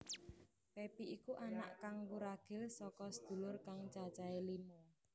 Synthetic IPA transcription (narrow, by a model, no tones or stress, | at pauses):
pepiʔikuʔana̰ʔkaŋwuɾaɡ̥ɪ̤lsɔkɔsəd̪̥ṳlʊrkaŋt͡ʃat͡ʃaelimo